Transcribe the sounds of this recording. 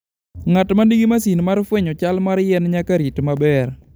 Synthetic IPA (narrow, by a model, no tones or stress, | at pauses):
ŋatmandiɡimasinmaɾfweɲɔt͡ʃalmaɾjɛnɲakaɾitmabɛr